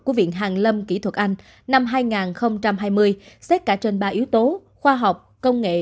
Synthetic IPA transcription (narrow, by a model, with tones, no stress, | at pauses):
ku˧˩əvḭ˧˨ənɦaː˨˩ŋlə˧mki˧˩t̪ʰwə˨˩t̚ʔa˧jŋ̟ | na˧mɦaː˧jŋaː˨˩nxə˧wŋ͡mt͡ɕa˧mɦaː˧jmɨ˧əjsɛ˦˥t̚kaː˧˩t͡ɕe˧nɓaː˧ʔi˨˦əwt̪o˨˦ | xwaː˧ɦa˨˩wk͡p̚kə˧wŋ͡mŋḛ˧˨